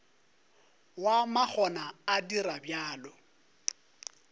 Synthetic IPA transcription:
wamak͡xʰɔnaːdiɾabjaːlɔ

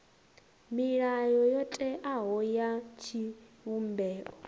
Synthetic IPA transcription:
miɺajɔjɔtʼɛʔaɦɔjat͡ʃʰiwumbɛːʔɔ

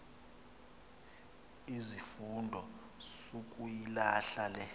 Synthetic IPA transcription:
izifundʱɔ | suk̬ʼujilaɬalɛ

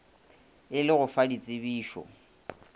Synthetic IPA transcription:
ɪlɪɣʊfadit͡sʼɪβiːʃɔ̰

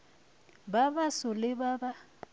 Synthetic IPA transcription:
baβasʊlɪβaba

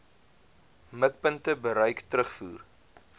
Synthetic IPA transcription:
məkpəntəbəɾœjktrəχfuːr

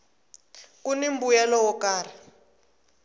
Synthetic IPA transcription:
kunimbujɛlɔwɔkaːra

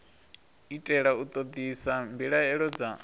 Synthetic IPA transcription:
itʼɛɺaut̪ʼod̪isambiɺaɛɺɔd͡za

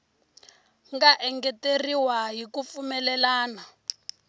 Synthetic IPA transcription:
ŋɡaʔɛŋɡɛteriwaɦikufumɛlɛlaːna

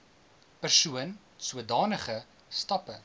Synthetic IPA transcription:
pərsuən | suədɑːnəχə | stɐpə

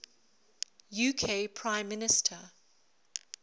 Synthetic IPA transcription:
jukʰepʰɹ̥ãɪ̃mːɪnɪstʰə

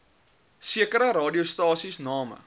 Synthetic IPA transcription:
siəkəɾəɾɑːdiostɑːsisnɑːmə̰

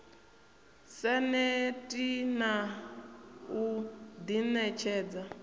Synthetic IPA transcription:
sɛnɛtʼina | ud̪inɛt͡ʃʰɛːd͡za

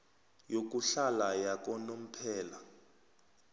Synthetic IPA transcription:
jok̬ʼuɬalajak̬ʼɔnom̩pʰɛːla

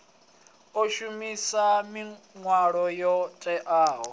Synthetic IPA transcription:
oʃumisamiŋwaɺɔjɔtʼɛʔaːɦɔ̰

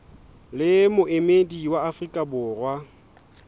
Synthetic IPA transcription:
lɪmʊʔemediwaafrikʼabʊːrwa

